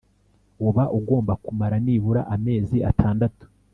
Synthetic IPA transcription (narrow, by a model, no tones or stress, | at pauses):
wuβaʔuɡo̞ːmbakumaɾaniːβuɾaʔame̞ːzia̰tʰaːndatu̥